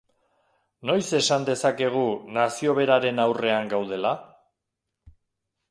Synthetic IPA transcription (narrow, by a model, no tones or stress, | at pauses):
no̞jse̞sand̪e̞sake̞ɣ̞unasio̞β̞e̞ɾaɾe̞nawre̞aŋɡawð̞e̞la